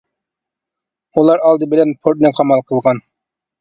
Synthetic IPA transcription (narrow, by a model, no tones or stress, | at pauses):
ulˠɑɾɑlˠd̪ɨbɪlɛnpʰoɾt̪̚nɛqʰɑmɑlˠqʰəlˠʁɑn